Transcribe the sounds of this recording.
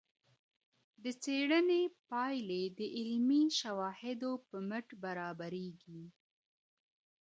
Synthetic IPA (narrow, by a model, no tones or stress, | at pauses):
d̪ət͡seɽənepɑjled̪əʔɪlmiʃawɑhɪd̪opəməʈbaɾɑbaɾeɡi